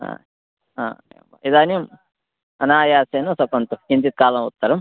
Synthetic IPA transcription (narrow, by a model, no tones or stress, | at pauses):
a̰ː | ɦa̰ːmid̪aːnijum | ɐnaːjaːseːnusɐkɐnt̪uind̪it̪̚kaːlɐ̃ut̪ːɐɾɐm